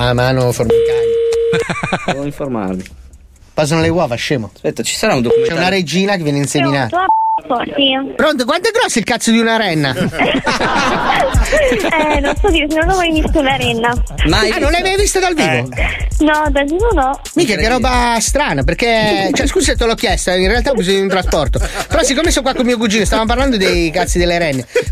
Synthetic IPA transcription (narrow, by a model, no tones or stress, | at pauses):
mamaːnoformikaj | ɛoiɱfoɾma̰rdi | pas̬anolewavaʃːeːmospɛt̪ːat͡ʃi̥saɾaund̪okut͡ʃɛunaɾed͡ʒiːnak̬evjɛneinseminaːt̪afɔɾt̪ipɾont̪əkwant̪oɛɡɾɔsːilkat̪sod̪iunaɾɛnːa | ɛnonsɔd̪iɾesenonɔmajvist̪ounaɾɛnːamanonlɛjmajvist̪ad̪alviːvonɔd̪avivonɔ | mikakerːɔːbast̪ɾaːnaperket͡ʃɛskusset̪ːelɔkːjɛst̪oɛinrealt̪akːuzinod̪iunt̪ɾaspɔrt̪opeɾɔsikːomesokwakːolmiːok̬ud͡ʒiːnost̪avamop̬arland̪od̪ejkat̪sːid̪elːeɾɛnːe